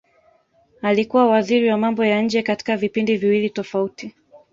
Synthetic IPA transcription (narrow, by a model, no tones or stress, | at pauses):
alikuwawaziɾiwamambɔjaɲ̩d͡ʒɛkati̥kavipindiviwilitɔfauti